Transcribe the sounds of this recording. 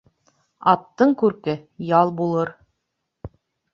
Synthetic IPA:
ɑt̪ːɤɴkʉɾkɘjɑlˠbulˠɤɾ

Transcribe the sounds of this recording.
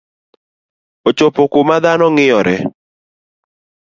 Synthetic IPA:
ot͡ʃopokomad̪anɔŋɪɔɾɛ

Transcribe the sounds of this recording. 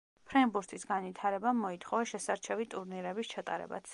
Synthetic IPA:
pʰɾɛmbuɾt̪ʰisɡanvit̪ʰaɾɛbamːɔit̪ʰχɔvɛʃɛsaɾt͡ʃʰɛvit̪ʼuɾniɾɛbist͡ʃʰat̪ʼa̰ɾɛ̰ba̰t̪s

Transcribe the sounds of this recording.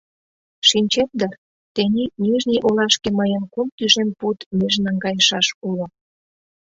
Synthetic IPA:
ʃinʲt͡ɕet̪̚d̪ər | t̪enʲinyʒniʔolɑʃkeməjənkumt̪yʒemput̪myʒnɑŋɡɑjəʃɑʃulŏ

